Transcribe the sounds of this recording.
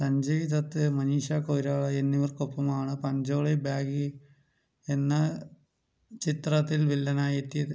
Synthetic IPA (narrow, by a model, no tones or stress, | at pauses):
sɐɲd͡ʑɐʋiðɐt̪ːɨmɐniːʂakoːɾaːɭɐenːiʋɐrkopːɐmaːɳɨpɐɲd͡ʑo̞ːɭebjaːɡɨ | e̞nːɐ | t͡ɕit̪rɐt̪ːilʋilːɐnaːjet̪ːijɐðɨ